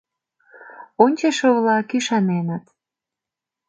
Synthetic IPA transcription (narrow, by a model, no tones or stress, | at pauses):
onʲt͡ɕeʃə̆βlɑkyʃɑnenət̪